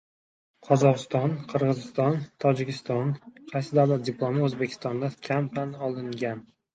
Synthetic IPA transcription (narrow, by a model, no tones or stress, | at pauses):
qʰɒzɒqɨst̪ɒnqʰɨɾʁɨzɪst̪ɒnt̪ʰɒd͡ʒɪkʲɪst̪ɒnqʰɑjsɪd̪awlat̪̚dʲɪpʰlˠomɪozbekʲʰɪ̥st̪ɒnd̪akʲʰampanɒlˠɪŋɡʲan